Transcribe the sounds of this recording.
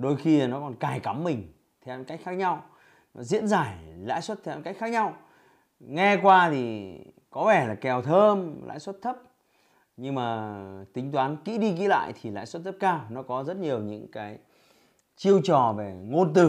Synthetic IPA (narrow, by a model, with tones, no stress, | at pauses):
ɗo˧jxi˧˨nɔ˨˦kɔ˨˩nkaː˨˩jka˨˦mːï˨˩ŋ̟ | t̪ʰɛ˧wka˦˥k̟xaː˦˥k̚ɲa˧w | nɔ˨˦zḭ˧˥ənzaː˧˩jla̰ː˧˥jswt̚t̪ʰɛ˧ka˦˥k̟xːaː˦˥k̚ɲa˧w | ŋɛ˧kwaː˧t̪ʰi˨˩ | kɔ˨˦vɛ˧˩laː˨˩kɛ˨˩wt̪ʰəː˧mla̰ː˧˥jswə˦˥t̚t̪ʰə˦˥p̚ | ɲɨ˧ŋmaː˨˩t̪ï˨˦ŋ̟t̪̬waː˨˦nkḭ˧˥ɗi˧k̬ḭ˧˥la̰ː˧˨jt̪ʰi˨˩la̰ː˧˨jswə˦˥t̪̚ʰə˦˥p̚kaː˧wnɔ˨˦kɔ˨˦zə˦˥t̚ɲi˨˩əwɲɨ̰˧˥ŋkaː˨˦j | t͡ɕi˧əwt͡ɕɔ˨˩ve˨˩ŋo˧nt̪ɨ˨˧˩